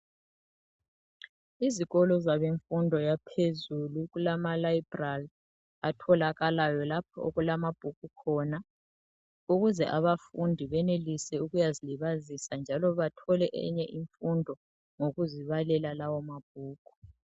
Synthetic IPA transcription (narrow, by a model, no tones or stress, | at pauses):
iziɣɔlɔzaβeɱfundʱɔjapʰezuluɣulamalaib̥ral | atʰɔlaɣalajɔlap̚ʰɔo̰ɣulamab̥ʱuk̚ukʰɔːna | uɣuzɛʔaβafundʱiβɛnelisɛuɣujaziliβazisand͡ʒʱalɔβatʰɔlɛʔɛ̰ɲɛʔiɱfundʱɔ | ŋoɣuziβalɛlalawɔmab̥̚ʱuːɡ̥ʱu̥